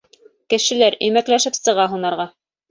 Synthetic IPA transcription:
kɘ̆ʃɘ̆læɾɵ̆jmæklæʃɘpsɤ̆ʁɑɦunɑɾʁɑ

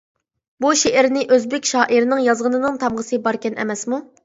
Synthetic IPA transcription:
buʃeʔɪɾnɪʔøzbɪkʲʃɑːʔiɾnɨŋjɑzʁənɨnɨŋt̪ʰɑmʁəsɨbɑɾkʲɛnʔɛ̰mɛsmu

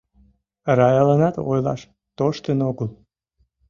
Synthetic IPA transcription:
rɑjɑlənɑt̪o̰jlɑ̰ʃ | t̪oʃt̪ənoɣəl

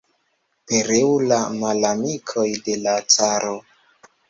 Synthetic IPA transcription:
pe̞ɾewulamalamikʰo̞jde̞lat͡saɾo

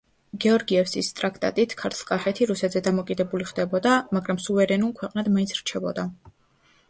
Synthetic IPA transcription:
ɡɛɔɾɡiɛfsist̪ʼɾakʰt̪ʼa̰t̪ʼit̪ʰkʰaɾt̪ʰlˠkʼaχɛt̪ʰiɾusɛt̪ʰzɛd̪amɔkʼid̪ɛbuliχd̪ɛbɔd̪amaɡɾamsuvɛɾɛnulˠkʰwɛqʼnad̪mainsʰɾt͡ʃʰɛbɔ̰d̪a

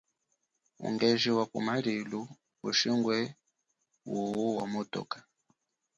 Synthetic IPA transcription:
ṵŋɡɛʒiwakṵmaɾilu | uʃiŋɡwɛ | wuwuwamɔtɔ̰kḁ

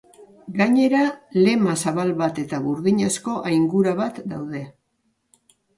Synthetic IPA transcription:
ɡaɲe̞ɾale̞masaβalβat̪e̞t̪aβuɾðiɲesko̞ʔajŋɡuɾaβat̪d̪awð̞e̞

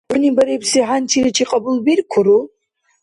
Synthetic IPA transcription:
ʊnibaɾipʰsiħantʰiɾit͡ʃʰiqʼɐbulbirkʷʰʊɾu

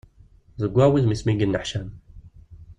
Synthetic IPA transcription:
zəɡʷːæwiðmismiɡənːəħʃæm

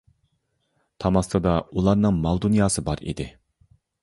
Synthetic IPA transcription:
t̪ʰɑmɑst̪ʰɨd̪ɑulˠɑɾnɨŋmɑlˠd̪unjɑːsɨbɑɾḭd̪ɪ

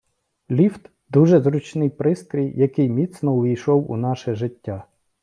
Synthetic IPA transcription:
lʲiwt̪ | d̪uʒɛzɾʊt͡ʃnɪjpɾɪst̪ɾʲijjɐkɪjmʲit̪snɔʊʋʲijʃɔwṵnɑʃɛʒɪtʲːa

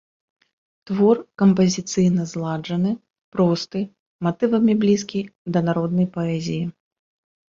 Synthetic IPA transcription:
t̪vɔrkɐmpɐzʲit̪sɨjnɐzlˠaʐɐnɨ | pɾɔst̪ɨ | mat̪ɨvɐmʲiblʲis̬kʲijd̪ɐnaɾɔd̪̚nɐjpɐɛzʲiji

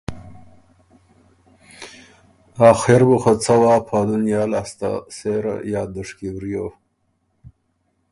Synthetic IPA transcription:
ɑːxeɾbuxat͡sawɑːpʰaːd̪unjɑːlast̪a̰seɾa̰jɑːd̪əʂkiwɾjo

